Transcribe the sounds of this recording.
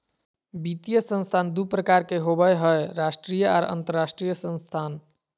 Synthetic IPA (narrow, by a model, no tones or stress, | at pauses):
bit̪ijəsə̃nst̪ʰand̪upɾəkaɾkeɦobəjɦəeɾasʈɾijəa̰ːɾə̰nt̪əɾːasʈɾijəsə̃nst̪ʰan